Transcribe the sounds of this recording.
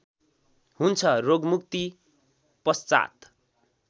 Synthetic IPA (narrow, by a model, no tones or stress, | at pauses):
hunt͡sʰʌroɡmuk̚t̪i | pʌst͡sa̰t̪